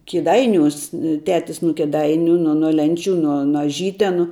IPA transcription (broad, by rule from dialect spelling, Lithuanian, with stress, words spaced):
kʲɪˈdɐɪnʲuːs ˈtʲæːtʲɪs nʊ kʲɪˈdɐɪnʲʊ nʊ nʊ ˈlʲɛnʲˌt͡ʃʲuː ˈnʊ noː ɐˈʒʲiːtʲɛnʊ